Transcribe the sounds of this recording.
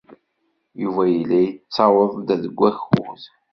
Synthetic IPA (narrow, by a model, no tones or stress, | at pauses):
juvæjilːijt͡sːɑwəðˤd̪æðəɡʷːæçṵθ